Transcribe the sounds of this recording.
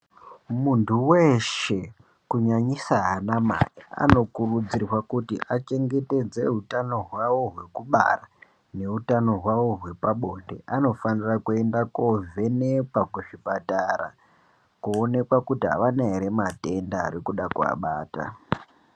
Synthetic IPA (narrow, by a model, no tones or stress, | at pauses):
muntʰuwe̞ʃe̞ | kuɲaɲisaɦanama̰jia̰no̞kurud͡zirwakutḭʔat͡ʃe̞ŋɡe̞te̞d͡ze̞ɦutano̞ɦwawo̞ɦwe̞kuɓa̰ra | ne̞utano̞ɦwawo̞ɦwe̞paɓo̞nde̞̰ʔano̞fanirakue̞ndako̞ve̞nepwakweʐipatara̰ | kuːne̞kwakutiɦa̰ʋanaɦeɾe̞mate̞nda̰ːɾikuɗakua̰ɓa̰ːta̰